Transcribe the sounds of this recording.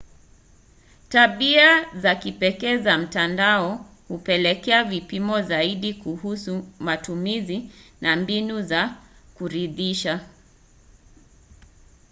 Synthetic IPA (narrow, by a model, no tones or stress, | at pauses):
taɓiazakipɛkɛːzam̩tandaɔ | hupɛlɛkɛavipimɔzaiɗikuhusumatumizinambinuzakuɾiðiʃa